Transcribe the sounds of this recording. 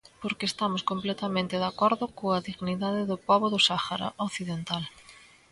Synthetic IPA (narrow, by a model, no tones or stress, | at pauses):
poɾkeːst̪amʊskomplɛt̪ɐmẽnt̪ɪðakɔɾðʊkoɐðiɣniðaðɪðʊpɔβʊðʊsaxaɾa̰ʔoθiðent̪al